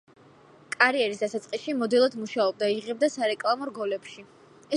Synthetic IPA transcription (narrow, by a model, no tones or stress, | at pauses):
kʼaɾiɛɾis̬d̪asat̪sʼqʼisʃimɔd̪ilˠɔd̪muʃaɔb̚d̪aiʁɛb̚d̪asaɾɛkʼlˠamɔɾɡɔlɛpʃi | ɛ